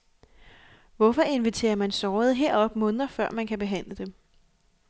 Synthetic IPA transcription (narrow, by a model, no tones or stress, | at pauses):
ʋɒ̽fɒ̽e̝nʋit͡sʰe̝̰ːɐmænsɒːʊð̞̩ˠɦe̝ɐ̰ɒ̽b̥mɔ̽ːnð̞ˠɐfɶɐ̰mænkʰæb̥e̝ɦæn̰ləd̥em